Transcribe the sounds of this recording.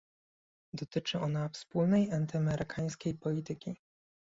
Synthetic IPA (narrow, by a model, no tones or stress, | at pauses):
d̪ɔt̪ɘt͡ʂɘɔnafspulnɛjant̪ɘamɛɾʔɘkʰaj̃skʲejpɔlʲit̪ɘkʲi